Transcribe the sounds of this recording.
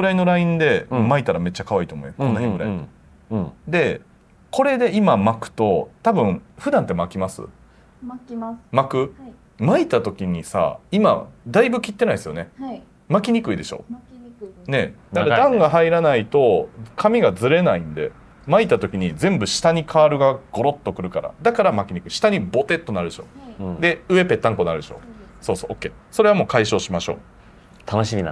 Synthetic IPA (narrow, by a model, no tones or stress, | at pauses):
ɡɯɾaino̞ɾaĩnd̪e̞mait̪aɾame̞t͡ɕːakaβaiːt̪o̞mo̰ḛ̃konːahẽŋɡɯ̟ɾa̰i | d̪e̞ | ko̞ɾe̞d̪e̞imamakɯ̟̥t̪o̞t̪abɯ̟̃ɴɸɯ̟d̪ãnt̪ːe̞makʲimasɨ̰ | makɯ̟ | mait̪at̪o̞kʲiɲ̟isa̰ima̰d̪aibɯ̟kʲit̪ːe̞naisɨjo̞̰ne | makʲiɲ̟ikɯ̟id̪e̞ɕo̞̰ː | ne̞̰d̪akaɾad̪ãŋɡaɦaiɾanait̪o̞kʰamʲiɡazɨɾe̞naĩnd̪e̞̰ | mait̪at̪o̞kʲiɲ̟izẽ̞mbɯ̟ɕi̥t̪aɲ̟ikʰaːɾɯ̟ɡaɡ̥o̞ɾo̞t̪ːo̞kɯ̟ɾɯ̟kaɾa̰d̪akaɾamakʲiɲ̟ikɯ̟iɕi̥t̪aɲ̟ibo̞t̪e̞t̪ːo̞naɾɯ̟d̪e̞ɕo̞̰ːd̪e̞ɯ̟e̞pe̞t̪ːãŋko̞naɾɯeɕo̞̰ːso̞ːso̞ːkːe̞ː | so̞ɾe̞βamo̞ːkaiɕo̞ːɕimaɕo̞̰ː | t̪ʰanoɕimʲina